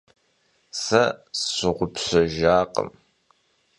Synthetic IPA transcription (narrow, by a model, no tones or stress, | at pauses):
sɐɕɪʁʷʊpɕɐʒaːqə̰m